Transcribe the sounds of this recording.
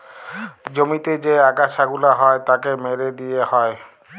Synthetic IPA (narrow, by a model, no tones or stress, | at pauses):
d͡ʑomit̪ed͡ʑeaɡaʃʰaɡulaɦɔet̪akemeɾed̪ijehɔe